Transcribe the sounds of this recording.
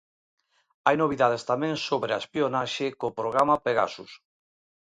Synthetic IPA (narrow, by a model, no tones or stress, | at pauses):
ajnoβ̞iðað̞est̪amẽŋsoβɾeaespionaʃekopɾoɣɾamapeɣa̰sus